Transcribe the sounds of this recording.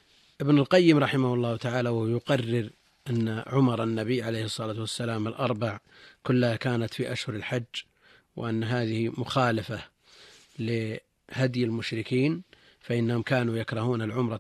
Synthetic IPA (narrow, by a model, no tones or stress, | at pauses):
ʔɪbnalqɑjːɪmɾˤɑħɪmahʊlˤːɑːhʊt̪aʕaːlawahjʊqɑrːɪɾ | ʔanːaʕʊmɑɾˤanːabɪjːʕalejhɨsˤːɑlaːt̪wasːalaːmɪlʔɑɾˤbɑʕ | kʊlːhakaːnat̪fiʔaʃhʊɾɪlħad͡ʒː | wɪ̰ʔanːɦaːðɪhimʊxaːlafa | lɪ | had̪jɪlmʊʃɾɪkiːn | faʔɪnːahʊmkaːnujakɾˤɑhuːnalʕʊmɾˤɑ